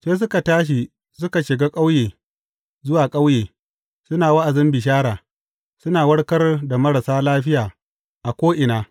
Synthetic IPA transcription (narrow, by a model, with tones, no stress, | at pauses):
seː˦s̬ʊ˦ka˨taː˦ʃ̬i˨ | sʊ˦ka˨ʃɪ˨ɡaː˦kʼa˦wjeː˨ | zʊ˦waː˨kʼa˦wjeː˨ | sʊ˦naː˨wɐ˦ʔa˨zɪ˦mbɪ˨ʃ̬aː˦ɽaː˨ | sʊ˦naː˨wɐ˦ɽkɐ˦rda˨mɐ˦ɽa˨saː˦laː˦ɸɪ˦jaː˨ | ʔa˨kʷoː˦ʔɪ˨naː˨